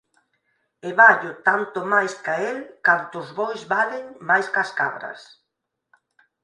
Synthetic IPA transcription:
eβaʎʊt̪ant̪ʊmajskaelkant̪ʊzβojzβaleŋmajskaska̰βɾɐ̰s

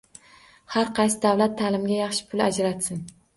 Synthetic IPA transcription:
haɾqʰɑjsɪd̪awlat̪ʰːaːlɪmɡʲajɑχʃɪ̥pʰʊlad͡ʒɾat̪sɪn

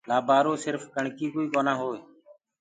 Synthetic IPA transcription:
laːbʱaːɾoːsɪɾfkəɳkiːkoːiːkoːnãːɦoːeː

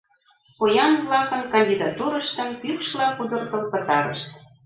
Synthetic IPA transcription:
pojɑnβlɑkə̆nkɑnʲdʲid̪ɑt̪uɾə̆ʃt̪ə̆mpykʃlɑkud̪ə̆rt̪ɤlpə̆t̪ɑɾə̰ʃt̪

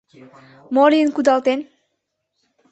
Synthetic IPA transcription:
mɔɾiənkud̪alt̪en

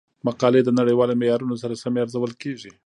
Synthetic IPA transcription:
maqɑled̪ənaɽəjwɑlomejɑɾunos̬aɾasameaɾzawəlkeʒi

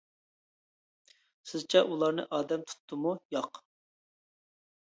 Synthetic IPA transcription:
sɪzt͡ʃʰɛʔulˠɑɾnɨ̰ʔɑːd̪ɛmt̪ʰu̥t̪ʰːɨmujɑq

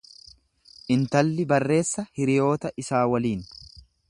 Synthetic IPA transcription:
ʔɪnt̪ɐlːɪbɐrːe̞ːsːɐhɪɾɪjo̞ːt̪ɐʔɪsaːwɐliːn

